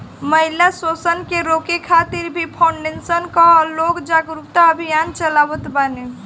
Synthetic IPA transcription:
məɦilasosənkeɾokekʰat̪iɾbʱipʰaʊɳɖensənkalokd͡ʒaɡɾut̪aəbʱijant͡ʃəlabət̪bane

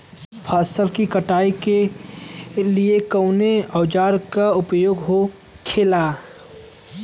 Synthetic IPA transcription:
pʰaːsəlkikəʈaːike | liekəʊneɐːd͡ʒaːɾkaʊpjoːɡɦo | kʰeːla

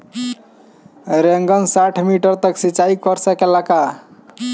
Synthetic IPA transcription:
ɾeŋɡənsaʈʰmiʈəɾt̪əksit͡ʃaikɔɾsəkelaka

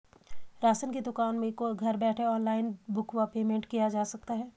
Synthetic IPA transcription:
ɾaːsənkid̪ʊkaːnmẽkoɡʱɐɾbɛːʈʰeɔːnlaːɪnbʊkʋapeːmẽːɳʈkijad͡ʒaːsɐk̚t̪aɦɛː

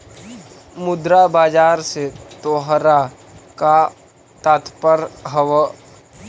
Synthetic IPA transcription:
mʊd̪ɾabaːd͡ʒaːɾset̪oːɦɾa | ka | t̪aːt̪pəɾɦəwə

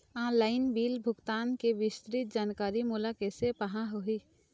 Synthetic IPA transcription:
ãːlaːɪnbiːlbʱʊɡt̪aːnkeʋɪst̪ɾit̪̚d͡ʒaːnkaːɾimʊlaːkesepɐɦãɦʊɦiː

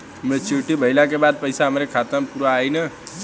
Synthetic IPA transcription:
mẽt͡ʃiʈibʱəɪlak̬ebaːd̪̚pəɪsaɦəmɾekʰaːt̪əpuːɾaːinə

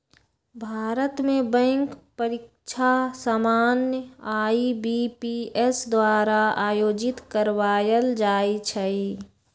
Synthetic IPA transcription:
bʱaːɾət̪mẽbɛ̃ŋkpəɾɪk̚ | t͡ʃʰasaːmaːnjəaːibipiesd̪waːɾaaːjoːd͡ʒɪt̪kəɾwaːjəld͡ʒaːit͡ʃʰəi

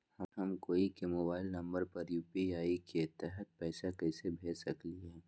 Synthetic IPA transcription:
hɐɦɐmkoːikemoːbaːɪlnɐ̃mbəɾpɐɾjuːpiaːiket̪ɛɦɛt̪̚pɛːsakɛːsebʱeːsɐkliɦɛ̃ː

